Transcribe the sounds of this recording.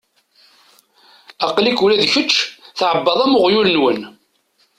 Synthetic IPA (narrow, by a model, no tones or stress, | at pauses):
ɑqlikulæðçət͡ʃːθʕəbːɑðˤæmʊʁjulnwən